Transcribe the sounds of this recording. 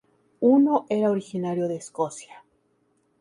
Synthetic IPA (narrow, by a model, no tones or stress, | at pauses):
uno̞ʔe̞ɾaoɾixinaɾjo̞ðe̞ːsko̞sja